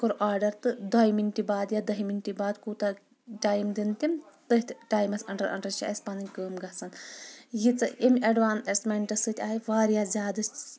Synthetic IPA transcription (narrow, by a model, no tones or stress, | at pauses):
koɾʔaːɾɖɐɾt̪ɨd̪ɐjiminʲʈibaːd̪jad̪ɐɦiminʈʲibaːd̪kuːt̪ɐ | ʈaːjmd̪int̪ʲimt̪ɨɦit̪ʲʰʈaːjmɐsʲɐɳʈɐɾɐ̰ɳʈɐɾt͡ʃʰḭʔɐsʲpanɨnʲkəːmɡɐsɐnjit͡sɐemʲɐɖʋaːnesmʲeɳʈɐsɨt̪ʲaːiʋaːɾjaːzʲaːd̪ɨs